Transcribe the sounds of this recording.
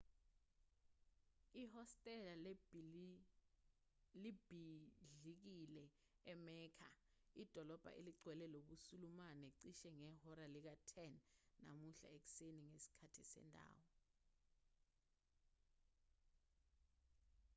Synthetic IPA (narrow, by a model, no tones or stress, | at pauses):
ihɔstʼɛla | libʱiɮik̬ilɛ | ɛmɛːkʰa̰id̥ʱɔlɔb̥ʱa̰ʔḛliɡ͡ǀʱwɛlɛloɓusulumanɛǀiʃɛŋɛhɔɾalik̬atʰɛnːa̰muɬa̰ek̬u̥seniŋesi̥kʰatʰisɛ̰ndʱa̰ːwɔ